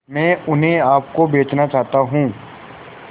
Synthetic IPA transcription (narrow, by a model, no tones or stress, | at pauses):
mɛ̃ːʊnɦẽaːp̚kobeːt͡ʃnat͡ʃaːɦt̪aɦũː